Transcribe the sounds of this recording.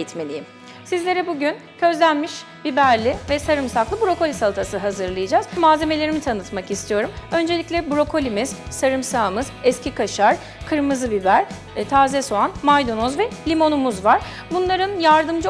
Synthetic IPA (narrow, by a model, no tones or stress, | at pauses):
it̪melʲijim | sizlʲe̞ɾɛbuɟyn | ɟ̥ø̞zlʲænmiʃbibæɾlʲɪvɛsaɾɯmsaklˠɯbuɾo̞ko̞lʲisalˠt̪ʰasɯɦazɯɾlˠajɯd͡ʒaːz̥maːze̞me̞lʲe̞ɾimit̪ʰanɯt̪makist̪ʰijo̞ɾumø̞nd͡ʒeiclʲɛbuɾo̞kʰo̞lʲimiz̥saɾɯmsaːmɯzɛscikʰaʃaɾ̥ | kʰɯɾmɯzɯbibæɾ̥ | t̪ʰaːzɛsoanmajd̪o̞nozvɛlʲimo̞numuzvaɾ̥ | bunlˠaɾɯnjaɾd̪ɯmd͡ʒɯ